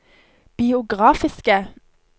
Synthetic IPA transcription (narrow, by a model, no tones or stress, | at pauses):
b̥ɪʊɡʁɑːfɪskə